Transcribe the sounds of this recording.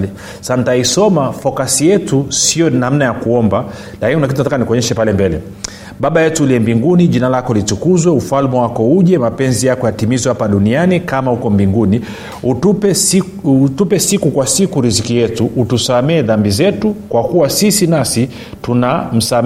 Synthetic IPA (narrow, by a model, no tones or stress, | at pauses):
sanitaisɔmafɔkasijɛtusiɔnam̩najakuɔmba | lakiniunak̬itunatakanikɔɲɛʃɛpalɛmbɛlɛ̰ | ɓaɓajɛtuliɛmbiŋɡuniʄinalakɔlit͡ʃukuzwɛufalmɛwakɔuʄɛmapɛnzijakɔjatimizwɛhapaɗunianikamahukɔmbiŋɡuni | uupɛ | tupɛsikukwasikuɾizikijɛtuʔutusamɛːðambizɛtukwakuwasisinasi | tunam̩sam